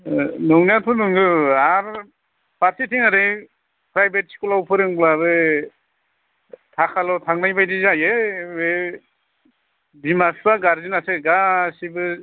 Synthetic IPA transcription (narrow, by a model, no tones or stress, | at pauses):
nɯŋnatʰunɯŋɡɯaɾ | paɾsitʰiŋaɾɯj | pʰɾajbet̚si̥kulawpʰɯɾɯŋblabɯ | tʰakʰalɔtʰaŋnajbajdizajɯwe | bimasbaɡaɾzinaseɡasibɯ